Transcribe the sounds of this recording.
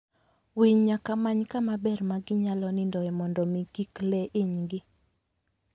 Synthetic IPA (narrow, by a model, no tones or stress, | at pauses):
wiɲɲakamaɲkamabɛrmaɡɪɲalɔnɪndɔɛmɔndɔmɪɡiklɛʔɪɲɡɪ